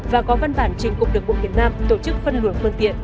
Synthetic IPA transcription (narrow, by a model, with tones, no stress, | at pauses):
vaː˨˩kɔ˨˦va˧nɓaː˧˩nt͡ɕï˨˩ŋ̟kʊ˨˩ŋ͡m̚ɗɨ˨˩əkːu˧˨vi˨˩t̚naː˧mt̪o˧˩t͡ɕɨ˦˥k̚fə˧nlu˧˩ənfɨ˧əŋt̪ḭ˧˨ən